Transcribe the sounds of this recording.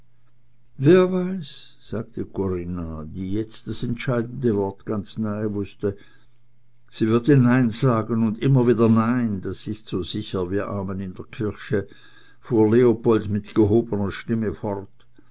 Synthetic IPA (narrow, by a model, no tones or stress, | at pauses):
veːɐvaɪs | z̥aːk̚tʰəkʰoʁɪnadiːjɛt͡std̥asɛntʃaɪdn̩dəvɔɐtɡ̥ant͡snaɪəvʊstə | z̥iːvɪɐtiːnaɪnzaːɡənʊndʔɪmɐviːdɐnaɪndasɪstz̥oːzɪçɐviːɐʔa̰ːmənɪndeːɐkʰɪɐçə | fuːɐleopɔltmɪtɡ̥əɦoːbənɐʃtɪməfɔʁt